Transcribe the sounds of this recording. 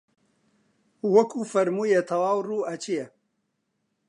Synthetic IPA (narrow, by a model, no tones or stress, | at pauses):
wɐkʰuːfɐɾmuːjet̪ʰɐwaːwruːʔɐt͡ʃijɛ